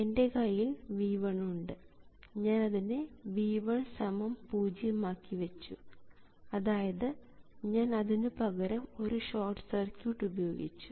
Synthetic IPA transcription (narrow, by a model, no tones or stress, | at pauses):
e̞nde̞kɐjːilʋiːʋɐɳuɳɖɨɲaːnɐðineʋiːʋɐɳsɐmɐmpuːd͡ʑijɐmaːkːiʋɐt͡ɕːu | ɐðaːjɐðɨɲaːnɐðinɨpɐɣɐɾɐmo̞ɾuɕoːrʈːsɐrkjuʈːubɐjo̞ːɡḭt͡ɕːu̥